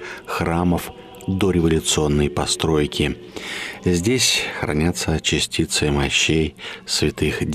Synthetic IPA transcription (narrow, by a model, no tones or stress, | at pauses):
xɾaməf | d̪oɾʲɪvɐlʲʊt̪sɨo̞nːəjpɐst̪ɾo̞jkʲɪ | zʲdʲesʲxɾɐ̰nʲat̪sət͡ɕɪsʲtʲit̪sɨmɐɕːejsvʲɪt̪ɨxdʲ